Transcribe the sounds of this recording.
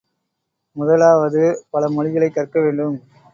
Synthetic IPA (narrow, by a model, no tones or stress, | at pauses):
mʊðɐlaːʋɐðɯpɐlɐmɔɻɪɣɐɭɐɪkːɐrkɐʋeːɳɖɯm